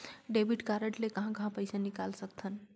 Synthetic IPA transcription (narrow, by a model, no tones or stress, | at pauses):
ɖebʱiʈkaɾəʈlekəɦãkəɦãpəɪsanikalsəkt̪ʰən